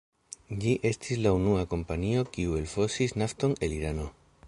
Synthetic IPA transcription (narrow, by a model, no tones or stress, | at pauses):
ʎiʔe̞stʰislaunuako̞mpanio̞kiue̞lfo̞sisnafto̞ne̞liɾano̞